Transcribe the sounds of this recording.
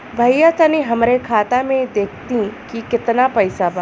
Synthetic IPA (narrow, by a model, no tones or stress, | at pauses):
bʱɐjat̪ɐniɦɐmɾekʰaːt̪amẽd̪eːkʰt̪ĩkikɪt̪napɐɪsaba